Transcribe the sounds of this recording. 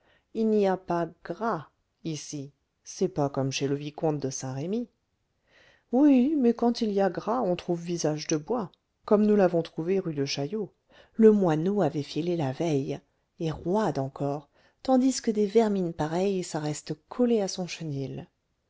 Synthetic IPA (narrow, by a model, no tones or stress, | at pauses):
ilniapaɡ̥ʁa | isi | sɛpakɔmʃeləvikɔ̃t̪̚d̪əsɛ̃ʁemi | wimɛkɑ̃t̪iliaɡʁaɔ̃t̪χuvːizaʒd̪əbwa | kɔmnulavɔ̃t̪χuveʁyd̪əʃajo | ləmwanoavɛfilelavɛj | eʁwad̪ɑ̃kɔʁ | t̪ɑ̃d̪iskəd̪evɛʁminpaʁɛjsaʁɛst̪kʰɔleasɔ̃ʃənil